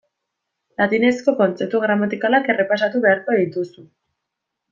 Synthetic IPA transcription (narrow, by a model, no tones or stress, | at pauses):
lat̪ine̞sko̞ko̞nt͡se̞p̚t̪uɣ̞ɾamat̪ikalake̞re̞pas̬at̪uβe̞aɾko̞eðit̪usu